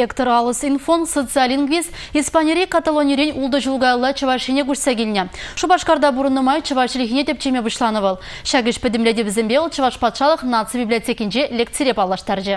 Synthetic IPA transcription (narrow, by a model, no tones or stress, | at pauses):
ekt̪oɾɑlˠəsinfonsot̪sɨalʲinɡvʲisispanʲiɾʲekːat̪alˠonʲiɾʲenʲulˠd̪əʒulˠɡɑjlˠːɑt͡ʃʰəvɑʃenʲeɡuʃt̪sɑɡʲilʲnʲeʃubɑʃqɑɾd̪ɑbuɾənəmɑjt͡ʃʰəvɑʃilʲixʲinʲed̪ʲep̚t͡ʃʰemʲebəɕlˠɑnəvəlˠ | ʃæɡʲɪʃpɪd̪ɪmlʲed̪ebɪzɪmbʲewlˠt͡ʃʰəvɑʃpɑt̪ʃɑlˠəqnɑt̪sɨbʲiblʲijot̪ʰʲekʲinʃelʲek̚t̪siɾʲepɑlˠːɑʃt̪ɑɾʒe